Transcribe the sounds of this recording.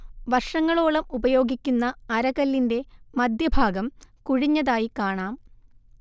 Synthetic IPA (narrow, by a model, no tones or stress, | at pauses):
ʋɐrʂɐŋːɐɭo̞ːɭɐmubɐjo̞ːɡikʲːunːɐːɾɐɣɐlːinde̞mɐd̪jɐbʱaːɡɐmkuɻiɲːɐðaːjikaːɳaːm